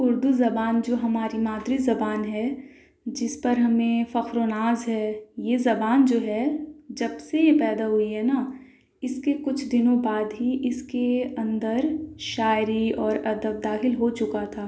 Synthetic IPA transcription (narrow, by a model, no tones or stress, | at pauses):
ʊɾd̪uzɐbaːnd͡ʒoːɦɐmaːɾimaːd̪ɾizɐbaːnɦɛ | d͡ʒɪspɐɾɦɐmẽfɐxɾonaːzɦɛːjezɐbaːnd͡ʒoːɦɛd͡ʒɐbsejepɛːd̪aɦʊiɦɛna | ɪskekʊt͡ʃʰd̪ɪnõbaːd̪ɦiʔɪskeɐ̃nd̪əɾʃaːɪɾiɔːɾɐd̪əb̚d̪aːxɪlɦot͡ʃʊkat̪ʰaː